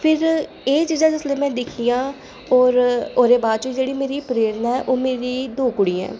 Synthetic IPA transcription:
pʰɪɾ | eːt͡ʃiːzãːd͡ʒʊsleːmɛ̃ːd̪ɪkʰiːjãː | ɔːɾoːɾeːbaːd̪̚t͡ʃoiːd͡ʒeːɽiːmeːɾiːpɾeːɾnaɛːʔoːmeːɾiːd̪oːkʊɽiːɛ̰̃ː

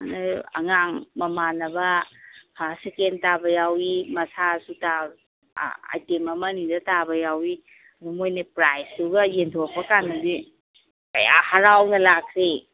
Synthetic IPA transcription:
anaɐ̰ŋaŋmɐmanɐbɐhʰasikentabɐjawimɐsasuta | a̰jtemɐmɐnidɐtabɐjawi | numojnepɾajssuɡɐjentʰok̚pɐkanːɐdi | kɐ̰ja̰haɾawnɐlakʰɾi

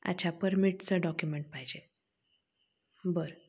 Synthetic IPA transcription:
a̰t͡ɕʰapəɾmiʈt͡səɖɔkjumeɳʈ̚paɦid͡ʑe | bəɾ

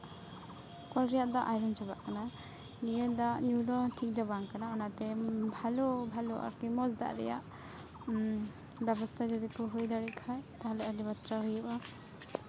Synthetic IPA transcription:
kɔlɾɛjaʔd̪aʔajɾɔnt͡ʃabaʔkana | nijəd̪aʔɲud̪ɔʈʰik̚d̪ɔbaŋkanaɔnat̪ɛbʱalɔbʱalɔʔa̰kimɔsd̪a̰ʔɾɛ̰ja̰ʔ | bɛbɔst̪ʰad͡ʒɔd̪ikɔɦujd̪aɽikʰajt̪aɦalɛʔalibat̪ɾaɦujuʔa

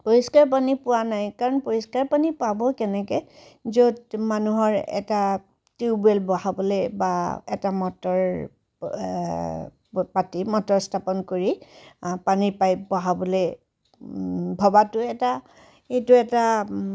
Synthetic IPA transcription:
poɹiskaɹp̬anipʊwanajkaɹɔnpoɹiskaɹpanipabɔkɛnɛkɔzodmanuɦɔɹɛ̰ta | tibuɛlbɔhabɔlɛbaɛtamɔtɔɹ | patimɔtɔɹstʰapɔnkoɹipanipajbɔɦabɔle | bʱɔbatʊɛta | etʊɛta

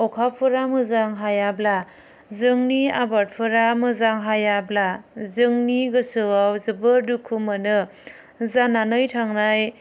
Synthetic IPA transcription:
ɔkʰapʰɯɾamɯzaŋɦajabla | zɯŋniabat̚pʰɯɾamɯzaŋɦajablazɯŋniɡɯsɯwawzɯbɯɾdukʰumɯnɯ | zananɯjtʰaŋnaj

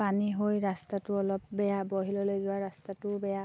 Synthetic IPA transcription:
paniɦojɹastatʊɔlɔp̚bɛjaboɦilɔlojzʊwaɹastatʊbɛja

